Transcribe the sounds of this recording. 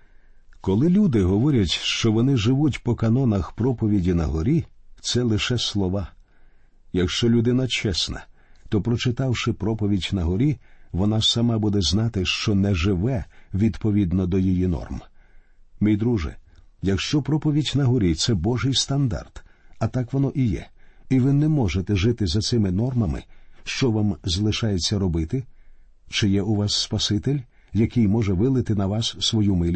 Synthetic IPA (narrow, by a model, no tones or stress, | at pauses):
kɔlˠɪlʲud̪ɪɦɔʋɔɾʲɐtʲʃt͡ʃɔʋɔnɪʒɪʋutʲpɔkɐnɔnɐxpɾɔpɔʋʲidʲinɐ̰ɦɔɾʲit̪sɛlˠɪʃɛslˠɔʋɑ | jɐkʃt͡ʃɔlʲʊd̪ɪnɐt͡ʃɛsnɐ̰ | t̪ɔpɾɔt͡ʃɪt̪ɑwʃɪpɾɔpɔʋʲidʲnɐɦɔɾʲiʋɔnasɐmɑbud̪ɛznɑt̪ɪʃt͡ʃɔnɛʒɪʋɛʋʲid̪pɔʋʲid̪nɔd̪ɔjijinɔ̰rm | mijd̪ɾuʒɪ̰jɐkʃt͡ʃɔpɾɔpɔʋʲidʲnɐɦɔɾʲit̪sɛbɔʒɪjst̪ɐnd̪a̰rt̪ɐt̪ɑkʋɔnɔʔijɛ̰iʋɪnɛmɔʒet̪ɛʒɪt̪ɪzɐt̪sɪmɪnɔrmɐmɪ̰ʃt͡ʃɔʋamzɐlˠɪʃɑjet͡sʲːɐɾɔbɪt̪ɪ | t͡ʃɪjɛʊʋɑsːpɐsɪt̪ɪlʲ | jɐkɪjmɔʒɛʋɪlˠɪt̪ɪnɐʋɑsːʋɔjumɪlʲ